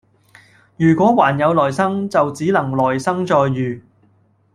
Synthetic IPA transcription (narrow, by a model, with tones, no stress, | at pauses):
jyː˨˩kʷɔː˨˥waː˨˩njɐ˨˧wlɔː˨˩jsɐ˥ŋt͡sɐ˨wt͡siː˨˥lɐ˨˩ŋlɔː˨˩jsɐ˥ŋt͡sɔː˧jːyː˨˩